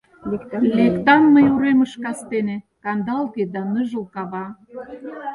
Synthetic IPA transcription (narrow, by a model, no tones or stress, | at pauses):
lekt̪ɑnːəjuɾeməʃkɑst̪enĕ | kɑnd̪ɑlɣed̪ɑnəʒə̆lkɑβɑ